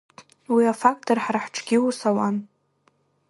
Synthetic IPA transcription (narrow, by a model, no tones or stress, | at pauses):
wiafak̚tʰorħraħʈ͡ʂʰʼɡʲɪusawan